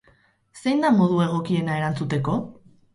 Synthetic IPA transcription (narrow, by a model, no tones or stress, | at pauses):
se̞jnd̪amo̞ð̞ue̞ɣ̞o̞kie̞nae̞ɾant͡sut̪e̞ko̞